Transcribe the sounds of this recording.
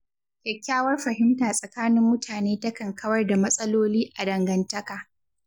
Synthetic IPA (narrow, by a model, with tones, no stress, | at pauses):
kʲɛ˨kʲːaː˦wɐ˦rɸɐ˨hɪ˦mtaː˨sʼɐ˨kaː˦nɪ˦mːʊ˦tʰaː˨neː˦tɐ˦kɐ˨ŋkʰɐ˦wɐ˦rda˨mɐ˦sʼɐ˦loː˦liː˦ʔa˨dɐ˨ŋɡɐ˦ntɐ˦kaː˨